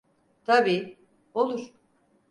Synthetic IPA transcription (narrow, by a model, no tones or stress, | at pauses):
t̪ʰabiː | olˠuɾ̥